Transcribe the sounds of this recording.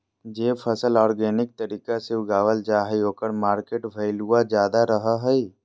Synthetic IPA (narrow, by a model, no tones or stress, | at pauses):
d͡ʒeːpʰəsəlɔːɾɡɛːnɪk̚t̪əɾiːkasɪwɡaːʋəld͡ʒaːɦɛoːkəɾmaːɾkeːʈbʱɐɪluad͡ʒjaːd̪aɾəɦaɦɛi